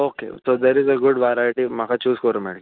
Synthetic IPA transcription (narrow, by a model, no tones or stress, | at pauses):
okḛsod̪ɛɾɪzəɡʊɖʋajɾajʈim̤akʰat͡ʃuːzkɔɾmɛ̰ɽ